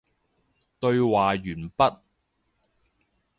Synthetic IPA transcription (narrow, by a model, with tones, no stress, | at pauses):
t̪ɵ˧ɥwaː˨jɥyː˨˩npɐ˥t̚